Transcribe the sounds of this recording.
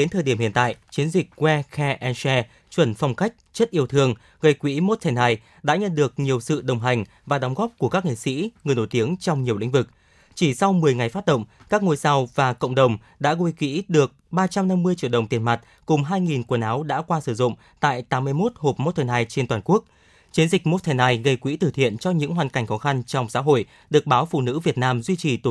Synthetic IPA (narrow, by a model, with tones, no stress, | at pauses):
e˨˦nt̪ʰəː˨˩jɗi˧˩əmhḭ˧˨nt̪a̰ː˧˨jt͡ɕi˨˦ənzi˨˩k̚kwɛ˧xɛ˧ʔɛ˧nsɛ˧ | t͡ɕwə˧˩nfɔ˧wŋ͡mka˦˥jk̟̚t͡ɕə˦˥t̚ʔi˧əwt̪ʰɨ˧əŋ | ɣə˧˩jkwḭ˧˥mo˦˥t̚t̪ʰa˨˧˩jnhaː˧˩j | ɗa̰ː˧˥ɲə̰˧˨nɗɨ˨˩ək̚ɲi˨˩əwsɨ̰˧˨ɗə˨˩wŋ͡mɦa˨˩jŋ̟ | vaː˨˩ɗɔ˨˦wŋ͡mɣɔː˦˥p̚ku˧˩əkaː˦˥k̚ŋḛ˧˨sḭ˧˥ŋɨ˨˩əjno˧˩jt̪i˨˦əŋt͡ɕɔ˧wŋ͡mɲi˨˩əwlḭ̈˧˥ŋ̟vɨ˨˩k̚ | t͡ɕi˧˩sa˧wmɨ˨˩əjŋa˨˩jfa˦˥t̚ɗə̰˧˨wŋ͡mkaː˦˥k̚ŋo˧jsa˧wvaː˨˩kə̰˧˨ŋ͡mɗə˨˩wŋ͡m | ɗa̰ː˧˥ɣu˧jkḭ˧˥ɗɨ˨˩ək̚ɓaː˧t͡ɕa˧mna˧mːɨ˧əjt͡ɕḭ˧˨əwɗə˨˩wŋ͡mt̪i˨˩nma˨˩t̚ | kʊ˨˩ŋ͡mɦaː˧jŋi˨˩nku˧˩ənʔaː˨˦wɗa̰ː˧˥kwaː˧sɨ˧˩zʊ̰˧˨ŋ͡m | t̪a̰ː˧˨jt̪aː˨˦mːɨ˧əjmo˦˥t̚ho˨˩p̚mo˦˥t̪ʰɛ˧˩naː˧jt͡ɕe˧nt̪waː˨˩nku˦˥ək̚ | t͡ɕi˨˦ənzï˨˩k̟̚mo˦˥t̪̚ʰɛ˧˩naː˧˩jɣə˧jkwḭ˧˥t̪ɨ˧˩t̪ʰḭ˧˨ənt͡ɕɔ˧ɲɨ̰˧˥ŋɦwaː˨˩nka˧˩jŋ̟xɔ˨˦xa˧nt͡ɕɔ˧wŋ͡msa̰ː˧˥ɦo̰˧˨j | ɗɨ˨˩ək̚ɓaː˨˦wfṵ˧˨nɨ̰˧˥vi˨˩ət̚naː˧mzwi˧t͡ɕi˨˩t̪